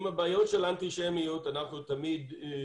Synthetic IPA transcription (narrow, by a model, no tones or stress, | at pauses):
mabaːjotʃelant̪iʃemijut̪anaχnut̪amid̪